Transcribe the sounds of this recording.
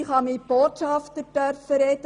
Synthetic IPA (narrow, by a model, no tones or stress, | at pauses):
χɑmib̥oːtʃɑftəd̥œrfəɾɛd̥ə